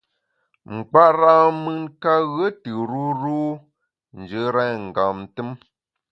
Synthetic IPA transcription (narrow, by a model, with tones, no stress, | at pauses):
ŋ͡m̩˨k͡pa˦ʔɾa˦mɨ˦nka˦ɣə˦tɨ˨ɾu˦ɾu˦ | n̩˨d͡ʒə˨˦ɾɛ˦˨ŋ̩˨ɡa˨m˨tɨ˦m